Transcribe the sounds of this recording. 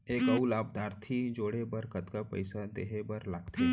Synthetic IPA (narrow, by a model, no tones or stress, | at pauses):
eːkəulaːb̚d̪ʱaːɾt̪ʰid͡ʒoːɽebəɾkət̪kapə̰ɪsad̪ḛːɦebəɾlaːɡt̪ʰe